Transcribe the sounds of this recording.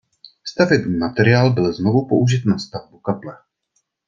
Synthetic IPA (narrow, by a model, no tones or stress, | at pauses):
st̪avjɛt̪mat̪ɛɾɪaːlbɪlzno̞vupo̞ʔuʒɪt̪nast̪avbukaplɛ